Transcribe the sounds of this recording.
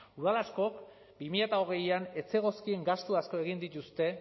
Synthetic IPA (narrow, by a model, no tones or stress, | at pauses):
uðalasko̞k | bimiʎat̪ao̞ɣ̞e̞jane̞t͡se̞ɣ̞o̞skie̞ŋɡast̪uasko̞e̞ɣ̞ind̪it̪ust̪e̞